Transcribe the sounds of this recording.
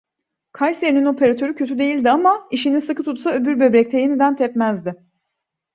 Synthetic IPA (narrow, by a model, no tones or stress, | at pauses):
kʰajseɾinino̞pʰe̞ɾat̪ʰø̞ɾycʰøt̪yd̪e̞jilʲd̪iamaiʃinisɯkʰɯt̪ʰut̪saøbyɾbø̞bɾɛc̚t̪ʰɛjenid̪ænt̪ʰɛpmæzd̪ɪ